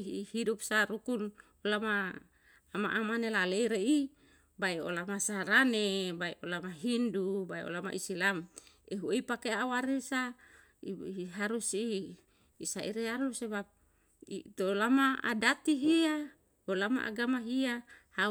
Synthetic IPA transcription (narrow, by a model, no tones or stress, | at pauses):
hidupsaɾukun | olamaː | ma̰ʔamanelaleiɾei | baiolamasaɾanebaiʔolamaɦindubaio̰lama̰ʔisilam | eɦueipakeawaɾisa | ɦaɾusiː | saʔḭɾeaɾusebap̚ | it̪olamaa̰dat̪iɦia | olama̰ʔa̰ɡamaɦiaha